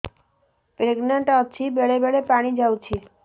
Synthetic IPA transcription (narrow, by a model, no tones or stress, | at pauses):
pɾeɡnaɳʈaət͡ʃʰibeɭebeɭepaɽ̃id͡ʒawt͡ʃʰi